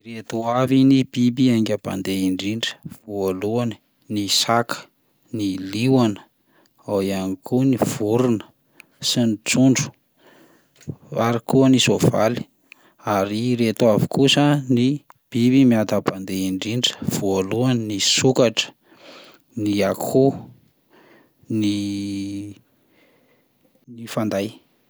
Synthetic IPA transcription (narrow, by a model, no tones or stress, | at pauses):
ret̪uavinib̥ibiaŋɡʲaba̰nd̪eiɳɖ͡ʐiɳɖ͡ʐə̥v̥ualuan | nisakə̥ | niliwanə̥ | awianikuniv̥uɾunə̥ | sinit͡suɳɖ͡ʐu̥ | aɾikuənisova̰li̥ | aɾiret̪avi̥kusənib̥ibimiat̪apand̪eiɳɖ͡ʐiɳɖ͡ʐə̥v̥oaluanisukaʈ͡ʂə̥ | niakʰu | ni | nifand̪aj